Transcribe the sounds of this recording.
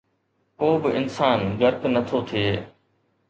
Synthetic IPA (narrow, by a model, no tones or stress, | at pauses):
koːbɪɪnsaːnɡɐɾpnɐt̪ʰoːt̪ʰieː